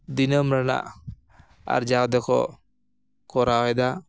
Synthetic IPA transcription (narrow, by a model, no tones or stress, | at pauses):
d̪inəmɾana̰ʔ | a̰ɾd͡ʒad̪ɛkɔ̰ | kɔɾaɔjd̪a